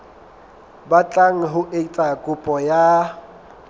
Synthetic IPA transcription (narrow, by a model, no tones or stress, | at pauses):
bat͡ɬʼaŋ̩ɦʊʔet͡sʼakʼʊpʼɔja